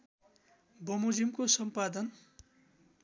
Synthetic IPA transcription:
bʌmud͡zimkosʌmpad̪ʌn

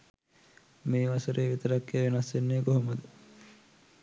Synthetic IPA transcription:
meːʋasuɾʔeːʋit̪əɾakːeːʋenasʋenːeːkoɦoməd̪ə

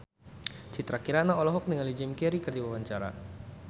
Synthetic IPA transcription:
t͡ʃit̪ɾakiɾanaɔlɔɦɔk̚niŋalid͡ʒɪmkɛɾikərd͡ʒiwawaɲt͡ʃaɾa̰

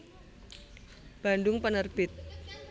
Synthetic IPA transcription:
b̥a̤ndʊŋpənərb̥ɪt̪̚

